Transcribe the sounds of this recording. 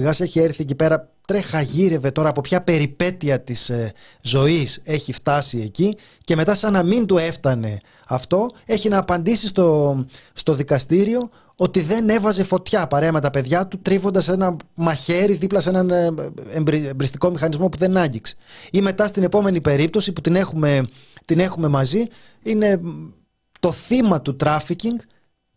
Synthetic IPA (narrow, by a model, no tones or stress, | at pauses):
ɣɐse̞çie̞ɾθie̞cipe̞ɾɐ | t̪ɾe̞xɐʝiɾe̞ve̞t̪o̞ɾɐːpo̞pçɐpe̞ɾipe̞t̪iɐt̪iszo̞ise̞çift̪ɐsie̞ci | ce̞me̞t̪ɐsɐnɐmint̪ue̞ft̪ɐne̞ | ɐft̪o̞e̞çinɐːpɐnd̪isist̪ost̪o̞ðikɐst̪iɾio̞ | ot̪iðe̞ne̞vɐze̞fo̞t̪çɐpɐɾe̞ɐme̞t̪ɐpe̞ðʝɐt̪ut̪ɾivo̞nd̪ɐse̞nɐmɐçe̞ɾiðiplɐse̞nɐnembɾmbɾist̪iko̞mixɐnizmo̞puðe̞nɐɲɟikse̥ime̞t̪ɐst̪ine̞po̞me̞nipe̞ɾip̚t̪o̞siput̪ine̞xume̞ | t̪ine̞xume̞mɐzi | ine̞ | t̪o̞θimɐt̪ut̪ɾɐficiŋɡ